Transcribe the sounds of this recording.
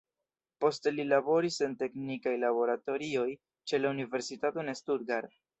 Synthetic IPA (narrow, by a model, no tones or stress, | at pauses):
po̞ste̞lilabo̞ɾise̞nte̞knikajlabo̞ɾato̞ɾio̞j | t͡ʃe̞launive̞ɾsitato̞ne̞stuɾɡaɾ